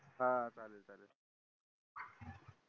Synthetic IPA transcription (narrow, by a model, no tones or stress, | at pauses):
ɦããt͡salet͡sale